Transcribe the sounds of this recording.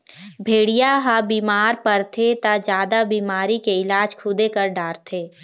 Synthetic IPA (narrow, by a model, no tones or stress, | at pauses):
bʱeːɽijaɦabiːmaːɾpəɾt̪ʰet̪ad͡ʒjaːd̪abiːmaːɾikeɪlaːd͡ʒkʰʊd̪ekəɾɖaːɾt̪ʰeː